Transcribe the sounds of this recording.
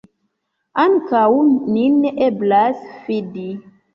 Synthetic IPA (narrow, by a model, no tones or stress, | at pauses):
aŋkawnineʔeblasfidi